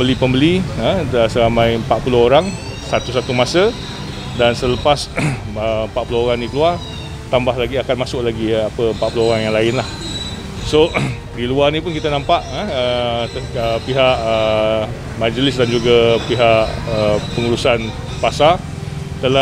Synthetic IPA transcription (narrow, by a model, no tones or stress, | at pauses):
əlipəmbəliəəsəɾamãjmpaʔ̚pulʊɦoɾaŋ | sat̪usat̪umasə | dansələpas | əmpaʔpulohoɾaŋdikəluar | t̪ambahlaɡiakanmasʊklaɡiapəmpaʔpuloɦoɾaŋjaŋlaɪnlah | so | diluarnĩpʊnkit̪anãmpaʔəə | əpiɦaʔə | mãd͡ʒəlɪsdand͡ʒuɡapiɦaʔəpəŋuɾusan | pasa | t̪əla